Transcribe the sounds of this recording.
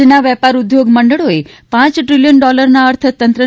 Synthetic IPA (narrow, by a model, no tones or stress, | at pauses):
naʋɛpaɾud̪joɡməɳɖəɭoe | pãt͡ʃʈɾiljənɖɔləɾnaəɾt̪ʰət̪ənt̪ɾə